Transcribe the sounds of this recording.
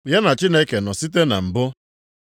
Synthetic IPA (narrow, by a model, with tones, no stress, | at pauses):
ja˦na˨t͡ʃi˦ne˦ke˨nɔ˨si˦t̬e˦na̰˨m̩˨bʊ˦